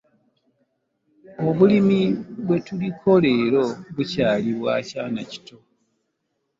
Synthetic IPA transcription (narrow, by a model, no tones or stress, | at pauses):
oβulimiβwe̞tulikʰo̞le̞ːɾo̞βucaːliβwa̰ːcaːnaci̥to